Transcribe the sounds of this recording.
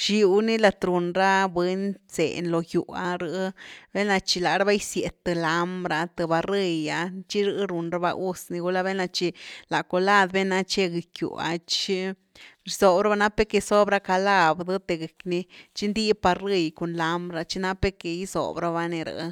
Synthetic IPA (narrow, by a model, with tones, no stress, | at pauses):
ʃi˧˦u˧˦ni˦la˧t̪ɾu˨nɾa˦bwe˦nt͡sḛ˨nlo˨ju˨a̰˧ɾɨ˧˦be˦na˧t͡ʃi˧la˨ɾa˦ba˦jsje˨t̪ːɨ˧la˧˦mbɾa˧t̪ɨ˧ba˧ri˧ja˧t͡ʃi˦ɾɨ˧˦ɾu˨nɾa˦ba̰˧ʔu˦sni˧ɡu˦la˦βe˦na˧t͡ʃi˧la˨ko˨la˦˧d̪be˦na˧˦t͡ʃe˦ɡi˧˨kjṵ˨a̰˧t͡ʃi˦ | ɾi˧so˨bɾa˦ba˧˦na˦pe˦ke˧so˦bɾa˦ka˧la˦˧bd̪ɨ˦t̪e˧ɡe˨kni˧t͡ʃi˦nd̪i˦pa˧ɾɨ˧jko˨nla˧mbɾa˧t͡ʃi˦na˦pe˦ke˨i˦so̰˨bɾa˧βa˧ne˧ɾa̰˧˦